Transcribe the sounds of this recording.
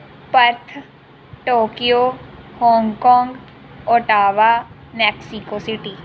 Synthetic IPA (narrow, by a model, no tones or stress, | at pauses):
pəɾt̪ʰ | ʈoːkijohɔ̃ːŋɡkɔ̃ːŋɡ | oːʈaːʋaː | mɛːksikoːsɪʈiː